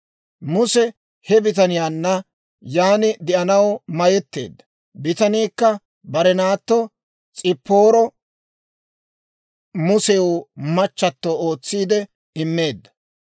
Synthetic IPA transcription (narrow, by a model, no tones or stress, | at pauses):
mʊsɛ | hɛbɪt̪̬ɐnɪjaːnːɐ | jaːnɪd̪ɪʔɐnɐwmɐjɛt̪ːḛːd̪ːɐ | bɪt̪ɐniːkːɐ | bɐɾɛnaːt̪ːo | t͡sʼɪpːoːɾɔ | mʊsɛwʊmɐt͡ʃːɐt̪ːooːt͡sːiːd̪ɛ | ɪmːe̞ːd̪ːɐ̥